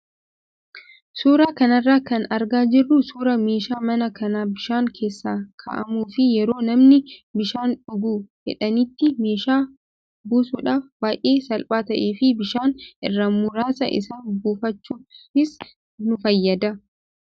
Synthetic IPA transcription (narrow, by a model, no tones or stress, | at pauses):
suːɾaːkɐnɐrːaːkɐnɐɾɡaːd͡ʒɪrːʊsuːɾɐme̞ːʃaːmɐnɐkɐnaːbɪʃaːŋkʰe̞ːsːaːkʰɐ̰ʔɐ̰muːfɪjɛɾo̞ːnɐmnɪbɪʃaːnᶑʊɡuːd͡ʒɛ̰ᶑɐnɪt̪ːɪme̞ːʃaː | buːsuːᶑaːfbaːjʔeːsɐlpʼaːt̪ɐʔeːfɪbɪʃaːnɪ̰rːɐmʊɾaːsɐ̰ʔɪ̰saːnbuːfɐt͡ʃːuːɪs | nʊfɐjːɐd̪ɐ